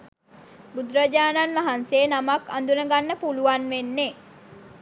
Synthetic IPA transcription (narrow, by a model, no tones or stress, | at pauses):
bud̪ɾəd͡ʒaːnanʋaɦanseːnamaka̰nd̪unəɡanːəpuluʋanʋenːe